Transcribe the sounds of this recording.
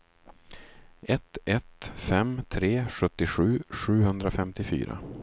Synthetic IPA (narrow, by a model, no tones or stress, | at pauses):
ɛt̪ɛt̪fɛmt̪ʰɾeːɧɵt̪ːɪɧʉ̟ːɧʉ̟ːɦɵnd̪ɾafɛmt̪ɪfy̰ːɾa̰